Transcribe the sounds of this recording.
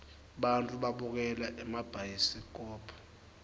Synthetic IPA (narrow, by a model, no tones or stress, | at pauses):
ɓantʼuɓaɓuk̬ɛlaʔɛmab̥ʱajisik̬ʼɔːpʰɔ̥